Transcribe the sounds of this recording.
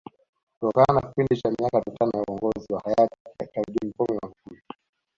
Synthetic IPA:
kutɔkananaki̥pindit͡ʃamiakamitanɔjauɔŋɡɔziwahajatikaɾiɗim̩pɔmɛmakufuli

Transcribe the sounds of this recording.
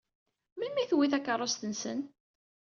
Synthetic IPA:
mimiθwiθækːərˤːost̪ənsə̰n

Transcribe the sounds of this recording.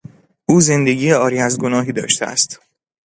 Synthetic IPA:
ʔuːze̞nd̪e̞ɟiːjeɒːɾiːæzɡo̞nɒːɦiːd̪ɒ̰ːʃt̪ʰeʔæ̰st̪

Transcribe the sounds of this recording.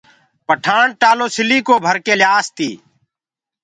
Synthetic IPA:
pəʈʰaːɳʈaːloːsɪliːkoːbʱəɾkeːljaːst̪ḭː

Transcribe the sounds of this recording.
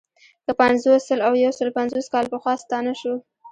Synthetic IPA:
k̪əpanzosəlawjawsəlopanzoskɑlpəxwɑst̪ɑnaʃu

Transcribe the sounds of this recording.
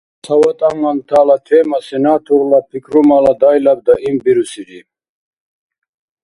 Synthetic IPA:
sʰawɔt̪ʼaŋant̪ʰaːlat̪ʰɛmasinat̪ʰuʁlapʰikɾumalad̪ajlab̚d̪aʔimbiɾusiɾi

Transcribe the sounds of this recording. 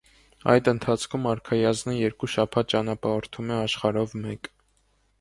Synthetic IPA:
ɑ̰jd̪ənt̪ʰɑt͡sʰkʰumɑɾkʰɑjɑznəjɛɾkuʃɑpʰɑt̪̚t͡ʃɑnɑpɑɔɾt̪ʰumɛɑʃχɑɾɔvmɛk

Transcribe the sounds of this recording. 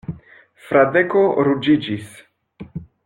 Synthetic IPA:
fɾad̪ekoɾud͡ʒid͡ʒis

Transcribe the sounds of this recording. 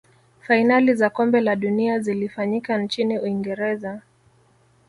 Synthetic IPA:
fainalizakɔmbɛlaɗuniazilifaɲikant͡ʃiniuiŋɡɛɾɛza

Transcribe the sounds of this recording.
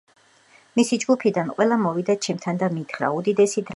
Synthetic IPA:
misid͡ʒɡupʰid̪anqʼwɛlˠamɔvid̪at͡ʃʰɛmt̪ʰand̪amit̪ʰχɾa̰ud̪id̪ɛsid̪ɾ

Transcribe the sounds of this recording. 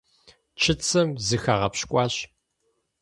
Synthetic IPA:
t͡ʃʰɪt͡sʰɐmzɨxaːʁɐpɕkʷʼɑːɕ

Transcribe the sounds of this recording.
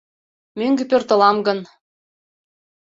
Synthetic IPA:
møŋɡĕpørt̪ɤ̆lɑmɡɤ̆n

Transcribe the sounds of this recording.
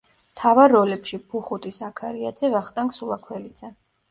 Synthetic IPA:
mt̪ʰavaɾːɔlɛpʃipʰuχut̪ʼisakʰaɾiad̪z̥ɛvaχt̪ʼaŋksulˠakʰwɛlid̪z̥ɛ

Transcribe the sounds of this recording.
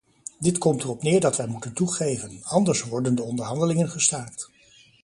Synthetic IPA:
dɪtkɔmtərɔpnɪːɹdɑtʋɛjmutəntuχejvənɑndəɹsʋɔɹdəndəɔndəɹɦɑndəlɪŋənχəstaɹkt

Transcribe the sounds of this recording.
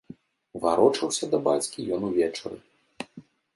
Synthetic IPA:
vaɾɔt͡ʂɐwsʲɐd̪ɐbat͡sʲkʲijɔnuvʲɛt͡ʂɐ̰ɾɨ̰

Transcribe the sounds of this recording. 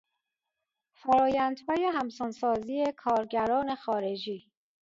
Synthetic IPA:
fæɾɒːjænd̪̥hɒːjeɦæmsonsɒːziːekʰɒːɾɟæɾɒːne̞xɒːɾe̞d͡ʒiː

